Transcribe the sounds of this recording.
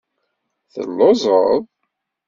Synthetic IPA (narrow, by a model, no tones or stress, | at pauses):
θə̰lːozˤə̰ðˤ